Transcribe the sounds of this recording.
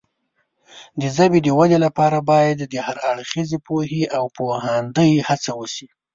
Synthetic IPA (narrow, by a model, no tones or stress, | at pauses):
d̪əzabed̪əwad̪elapɑɾabɑjad̪d̪əhaɾaɽxizepoɦeʔawpohand̪əjhat͡sawəʃi